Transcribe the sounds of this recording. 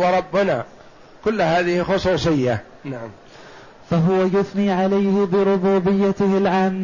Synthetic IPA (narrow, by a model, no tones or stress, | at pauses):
wɑɾˤɑbːɪna | kʊlːɦaːðɪhɪxʊsˤuːsˤɪjːa | naʕam | faɦʊwajʊθniːʕalajhɪbɪɾʊbuːbɪjːat̪ɪhɪlʕaːmː